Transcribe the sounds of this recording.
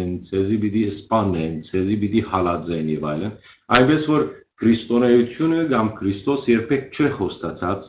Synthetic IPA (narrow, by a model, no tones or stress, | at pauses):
nt͡sʰɛzibit̪iəspɑnːɛnt͡sʰɛzibit̪ihɑlɑd͡zɛnjɛva̰jlən | ɑjnbɛsvɔɾ | kʰɾist̪ɔnɛjut̪ʰjunəɡɑmkʰɾist̪ɔsjɛɾpʰɛk̚t͡ʃʰɛχɔst̪at͡sʰɑt͡s